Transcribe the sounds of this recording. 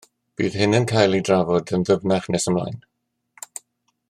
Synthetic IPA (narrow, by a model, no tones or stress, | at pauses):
b̥ḭːð̥hɪnənkʰajlˠidravɔdənðəvnaχnɛsəmla̰jn